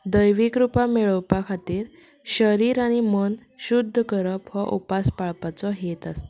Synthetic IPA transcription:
d̪əjʋikɾupameɭəwpakʰat̪iːɾ | ɕəɾiːɾaɽ̃imən | ɕud̪ʱːəkəɾəpʋəʔṵpaspaɭpat͡sɔɦet̪ast̪

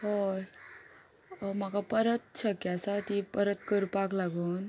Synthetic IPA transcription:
hoj | ɔmakapəɾət̪̚t͡ʃʰəkjasat̪ipəɾət̪kəɾupaklaɡon

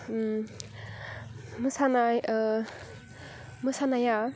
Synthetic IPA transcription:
mɯsanaj | mɯsanaja

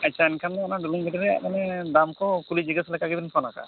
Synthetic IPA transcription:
at͡ʃʰaɛnkʰandɛɔnaɖuluŋbɛʈiɾɛa̰ʔmanɛd̪amkɔkulid͡ʒiɡaslɛkaɡɛb̪inpʰɔnaka̰

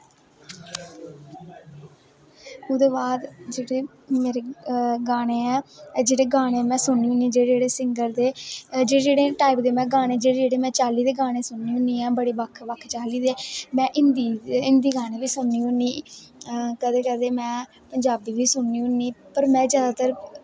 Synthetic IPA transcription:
ʊd̪eːbaːd̪d͡ʒeːɽeː | meːɾeːɡaːɽ̃eːɛːd͡ʒeːɽeːɡaːɽ̃eːmɛ̃ːsʊɳːiːɦʊniːd͡ʒeːd͡ʒeːɽeːsɪŋɡəɾd̪eːd͡ʒeːed͡ʒeːɽeːʈaːipd̪eːmɛ̃ːɡaːneːd͡ʒeːeːd͡ʒeːɽeːmɛ̃ːt͡ʃaːliːd̪eːɡaːɽ̃eːsʊɳːiːɦʊniːɛːbəɽiːʋəkʰʋəkʰːt͡ʃaːliːd̪eːmɛ̃ːʔɪnd̪iɪnd̪iːɡaːneːʋiːsʊɳːiːɦʊniː | kəd̪eːkɛd̪eːmɛ̃ː | pəɲd͡ʒaːbiːʋiːsʊɳːiːɦʊniːpəɾmɛ̃ːd͡ʒjaːd̪aːt̪əɾ

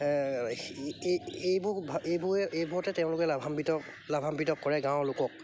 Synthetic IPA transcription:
ejbubʱejbuɛʔejbuɔtɛtɛʊ̃lʊkɛlabʱambitɔ | labʱambitɔkːɔɹɛɡãw̃lʊkɔk̚

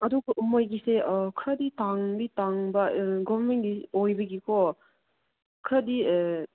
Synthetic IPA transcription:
ɐduɡɐʔumojɡiseɔkʰɾaditaŋbitaŋbɐɡɔbɐmenɡiojbɐɡikʰɔ | kʰɾadi

